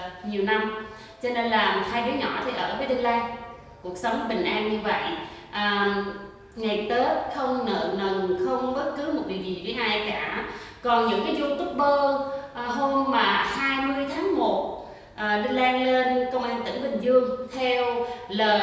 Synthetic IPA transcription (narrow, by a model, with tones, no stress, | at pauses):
ɲi˨˩əwna˧m | t͡ɕɔ˧ne˧nlaː˨˩t̪ʰaː˧jɗo˨˦jɲɔ̰˧˩t̪ʰi˨˩ʔəː˧˩vəː˨˦jɗə˧nlaː˧j | ku˨˩ək̚sə˨˦wŋ͡mɓï˨˩ŋ̟ʔaː˧nɲɨ˧və̰˧˨jʔʔəː˨˩ | ŋa˨˩jt̪əː˨˦xə˧wŋ͡mnə̰ː˧˨nə˨˩nxə˧wŋ͡mɓə˦˥t̚kɨ˨˦mo˨˩t̚vḭ˨˩w̚zi˨˩t̪ʰi˨˦ʔaː˧kaː˧˩kɔ˨˩nɲɨ̰˧˥ŋkaː˨˦jzu˧ŋt̪ʊ˦˥k͡p̚ɓəː˧ʔɦo˧mːaː˨˩haː˧jmɨ˧əjt̪ʰaː˨˦ŋmo˨˩t̚ | ʔəː˨˩ɗə˧nlaː˧ŋle˧nkə˧wŋ͡mʔaː˧nt̪ɨ̰˧˩ŋɓï˨˩ŋ̟zɨ˧əŋt̪ʰɛ˧wləː˨˩